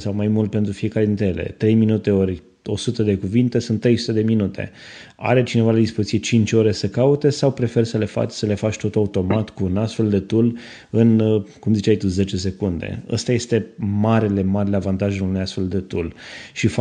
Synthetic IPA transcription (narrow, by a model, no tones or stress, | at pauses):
sawmajmult̪̚pe̞nt̪ɾufie̞kaɾe̞d̪int̪ɾejele̞̰t̪ɾe̞jminut̪e̞oɾʲ | o̞sut̪əd̪e̞kuvint̪e̞sunt̪ːɾe̞jsu̥t̪ed̪e̞minut̪ʰe̞̰ | a̰ɾe̞t͡ʃine̞valed̪ispozisʲiet͡ʃint͡ʃʲo̞ɾe̞səkaut̪e̞sawpɾe̞fe̞rsəle̞fa̰t͡ʃʲsəle̞fat͡ʃt̪o̞t̪aut̪o̞mat̪kuːnast̪fe̞ld̪e̞t̪ul | ɨnkumzit͡ʃajt̪uze̞t͡ʃe̞s̬e̞kund̪ḛə̰st̪aje̞st̪e̞maɾele̞maɾeleavant̪aʒeunujast̪fe̞ld̪e̞t̪ulʃif